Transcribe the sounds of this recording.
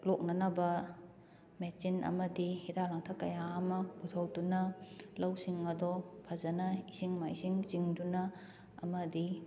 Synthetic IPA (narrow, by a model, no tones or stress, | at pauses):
lok̚nɐnɐbɐ | met͡ʃinɐ̰mɐdihidalaŋtʰɐkɐjaːmɐbutʰɐwdunɐlɐwsiŋɐdɔpʰɐzɐnɐisiŋmajsiŋziŋdunɐ | ɐ̰mɐdi